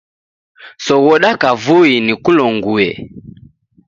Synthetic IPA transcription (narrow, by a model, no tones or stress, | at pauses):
sɔɣɔɗakavuinikulɔŋɡuɛ̰